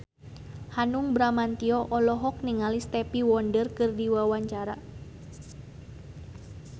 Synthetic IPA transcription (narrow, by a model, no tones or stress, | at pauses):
hanuŋbɾamant̪iɔʔɔlɔɦɔk̚niŋalist̪ɛpiwɔndərkɨrdiwawaɲt͡ʃaɾa